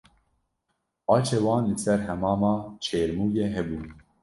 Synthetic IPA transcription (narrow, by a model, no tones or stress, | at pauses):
ɑːt͡ʃʰeːwɑːnlɨsɛɾhɛmɑːmɑːt͡ʃʰeːɾmuːjeːɦɛbuː